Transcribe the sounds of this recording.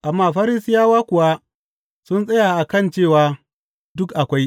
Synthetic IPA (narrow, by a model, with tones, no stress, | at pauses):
ʔa˨mːaː˦˨ɸɐ˦ɾi˦sɪ˦jaː˦waː˦kʷʊ˨wa˦ | sʊ˦nsʼɐ˦jaː˨ʔa˨kɐ˦nt͡ʃeː˦˨waː˦ | dʊ˦kʔa˨kʷa˦j